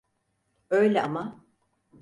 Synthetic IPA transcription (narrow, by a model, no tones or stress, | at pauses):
øjlʲɛʔama